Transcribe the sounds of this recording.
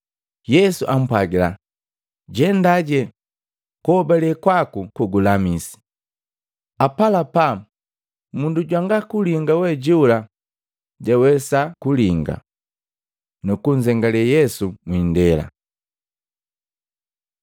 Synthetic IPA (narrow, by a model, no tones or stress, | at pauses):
jɛsuʔam̩pwaɡila̰ | ɟɛndaɟɛ | kɔbalɛkwakukuɡulamisi̥ | apalapa | munduɟwaŋɡakuliŋɡawɛɟuula | ɟawɛsakuliŋɡa̰ | nukuɲzɛŋɡalɛjɛsumwindɛla̰